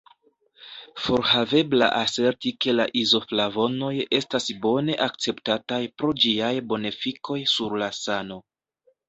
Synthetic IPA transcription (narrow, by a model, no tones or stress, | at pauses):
fo̞ɾhave̞bla̰ʔase̞ɾtike̞laʔizo̞flavo̞no̞je̞stasbo̞ne̞ʔak̚t͡se̞ptatajpɾo̞d͡ʒiajbo̞nefikʰo̞jsuɾlasano̞